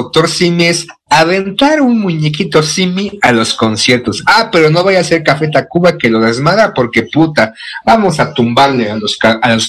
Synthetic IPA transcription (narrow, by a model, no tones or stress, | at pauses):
ok̚t̪o̞ɾsimies | aβe̞nt̪aɾunmuɲek̬it̪o̞simialo̞sko̞nsje̞ɾt̪o̞sape̞ɾo̞no̞βajase̞ɾkafe̞t̪akuβake̞lo̞ðazmaðapo̞ɾke̞put̪abamo̞sat̪umbaɾlealosaalos